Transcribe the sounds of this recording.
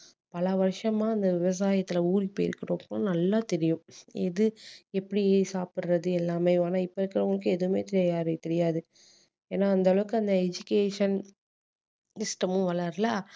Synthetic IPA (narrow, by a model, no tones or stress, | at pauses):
pɐlɐʋɐɾʂɐmãːɐnd̪ɐʋɪʋɐs̬aːjɐt̪ːɪlɐuːɾipːoːɪɾkːɐɽoːpːoːnɐlːaːt̪ɛɾɪjʊ̃ɛðɯɛpːɐɽijeːsaːpɪɾɾɐðɯɛlːaːmeːaːnaːɪpːoɪɾɯkːɪɾɐʊŋɡɐɭɐkːɯɛðɯmḛːt̪ɛɾɪjːjaːɾɯt̪ɛɾɪjaːðɯ | eːnːaːnd̪ɐʋɐɭɐʋɯkːɯɐnd̪ɐɛd͡ʒʊkeːʂɐn | sɪsʈɐmʊ̃ʋɐɭaɾlaː